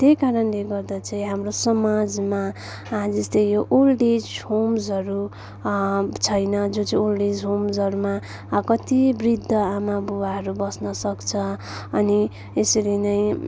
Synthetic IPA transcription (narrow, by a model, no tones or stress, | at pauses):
t̪ejkaɾʌnleɡʌrd̪at͡saĩɦamrosʌmad͡zma | d͡zʌst̪ʌjjoʔulɖid͡zhomsɦʌɾu | t͡sʰʌjnʌd͡zõt͡saĩolɖid͡zɦomsʌɾuma | kʌt̪ibrid̪ʱːʌamabuwaɦʌɾubʌsnʌsʌkt͡sʰʌ | ʌni | esʌɾinʌj̃